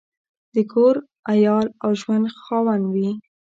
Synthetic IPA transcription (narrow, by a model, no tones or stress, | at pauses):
d̪̥əkʰoɾ | ajɑlawʒwand̪xɑwanwi